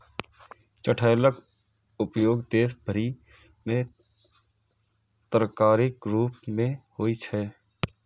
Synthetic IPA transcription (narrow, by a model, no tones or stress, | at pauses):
t͡ʃəʈʰəjlək | ʊpjoːɡd̪eːsbʱəɾi | mẽ | t̪ɾkaːɾɪkɾuːpmẽhoːit͡ʃʰɛː